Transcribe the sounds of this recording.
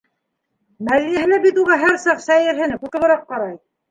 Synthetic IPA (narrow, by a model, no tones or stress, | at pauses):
mælːijæɦɘ̆læbit̪uʁɑɦæɾsɑqsæjɘ̆ɾɦɘ̆nɘkuk̪ɤ̆lɤ̆ɾɑqːɑɾɑj